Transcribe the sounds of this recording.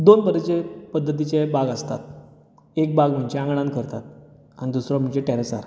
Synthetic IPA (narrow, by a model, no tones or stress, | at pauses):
d̪onbəɾet͡ɕepəd̪ːət̪̬it͡ɕebaɡəst̪at̪ | ek̚baɡm̤əɲt͡ɕeãŋɡɽãnkəɾt̪at̪̚ | añid̪usɾɔm̤əɳt͡ɕeʈɛɾesa̰ɾ